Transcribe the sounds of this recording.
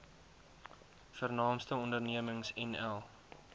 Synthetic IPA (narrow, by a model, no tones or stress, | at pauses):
fərnɑːmstəɔndərniəməŋsɛnɛlˠ